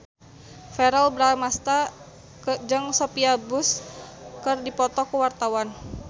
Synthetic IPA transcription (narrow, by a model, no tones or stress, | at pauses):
fɛɾalbɾamast̪a | kd͡ʒəŋsopiabʊskərdipɔt̪ɔkəwart̪awan